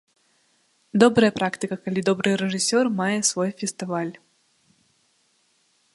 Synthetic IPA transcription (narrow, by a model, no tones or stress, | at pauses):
d̪ɔbɾɐjəpɾʔakt̪ɨkəkɐlʲid̪ɔbɾɨjɾɛʐɨsʲɔrmajɛsvɔjfʲɪst̪ɨvalʲ